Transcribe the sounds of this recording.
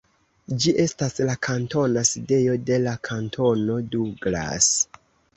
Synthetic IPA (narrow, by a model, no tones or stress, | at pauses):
d͡ʒiʔe̞staslakʰanto̞naside̞jo̞de̞lakʰantʰo̞no̞duɡla̰s